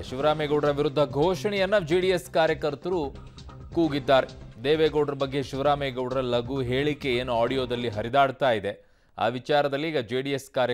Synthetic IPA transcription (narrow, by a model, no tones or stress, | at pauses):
ʃiʋɐɾaːmɛɡɐwɽɐɾɐʋiɾud̪ʱːɐɡʱoːʂɐɳɛjɐnːɐd͡ʒiːɖijeskaːɾjɐkɐɾt̪ɐɾu | kuːɡid̪ːaːɾed̪eːʋeːɡoːɖɐɾɐbɐɡːe̞ʃiʋɾaːmɛɡɐwɽɐɾɐlɐɡuɦe̞ːɭikːe̞eːnuaːɽijoːd̪ɐlːiɦɐɾid̪aːɽt̪aːjid̪e̞ | a̰ːʋit͡ʃaːɾɐd̪ɐlːiːɡɐd͡ʒeːɖieskaːɾjɐ